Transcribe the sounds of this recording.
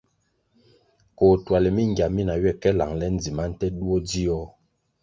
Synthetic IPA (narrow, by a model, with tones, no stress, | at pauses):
ko˨twa˨lɛ˨mi˦˨ŋ˨ɡja˨mi˦na˨ɥɛ˦˨kɛ˦la̰˨ŋlɛ˦n̩˦d͡zi˨ma˦n̩˦tɛ˦ɗu˦ɔ˦di˦ɔ˦